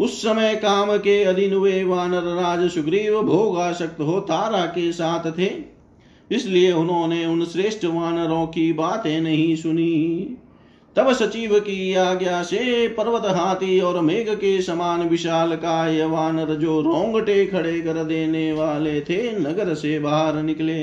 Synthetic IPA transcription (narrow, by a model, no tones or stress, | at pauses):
ʊsːɐməjkaːmkeɐd̪inʊʋeʋaːnəɾːaːd͡ʒʃʊɡɾiːʋbʱoːɡaːʃək̚t̪ɦoːt̪aːɾakesaːt̪ʰt̪ʰeː | ɪslieʊnɦõːneʊnsɾeːʃʈəʋaːnɾõːkibaːt̪ẽnɐɦĩsʊniː | t̪ɐbsɐt͡ʃiːʋkiaːɡjasepɐɾʋət̪ɦaːt̪iɔːɾɐmeːɡkesɐmaːnʋɪʃaːlkajəʋaːnəɾd͡ʒoːɾõːŋɡʈekʰɐɽekɐɾd̪eːneʋaːlet̪ʰenɐɡəɾsebaːɦəɾnɪkleː